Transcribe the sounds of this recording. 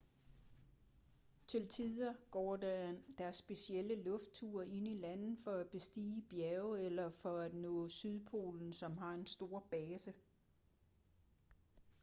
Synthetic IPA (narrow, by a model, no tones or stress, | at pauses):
t͡sʰe̝lt͡sʰið̰ˠɐɡ̥ɒ̰ːdæd̥æɐsːb̥e̝sieləlɔ̽fd̥̚t͡sʰuɐe̝nilæn̰ð̩ˠfɒ̽æb̥e̝sd̥ḭːb̥jæʊelɐfɒ̽æd̥nɔ̰̽ːsyð̞ˠpʰo̝̰ːln̩sɒ̽mɦɑ̈e̝nsd̥o̝ːɐ̰b̥ɛːsə